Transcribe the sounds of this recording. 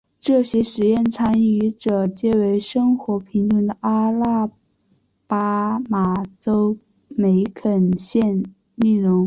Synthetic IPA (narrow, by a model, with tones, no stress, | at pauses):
ʈ͡ʂɤ˥˩ɕjɛ˥ʂɻ̩˧˥jɛ˥˩nt͡sʰa˥ny˧˥ʈ͡ʂɤ˨˩t͡ɕjɛ˥˩we˧˥ɪʂɤ˥ŋxwɔ˧˥pʰi˧˥ŋtʊ˧˥˩ŋd̪ə˨˩ʔa˥la˥ | pa˥ma˨˩t͡so˥ʊ | me˧˥ɪkʰə˨˩nɕjɛ˥˧n | ni˥˩ɻʊ˧˥ŋ